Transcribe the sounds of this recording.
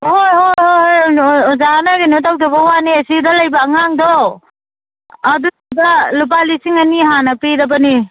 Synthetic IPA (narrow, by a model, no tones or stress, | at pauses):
hojɦohojhojzanaɡinotawdabɐwaniɐsidɐlɐjbaːŋaŋdɔ | ɐdu | balup̬alisiŋaniɦanɐpidɐbɐni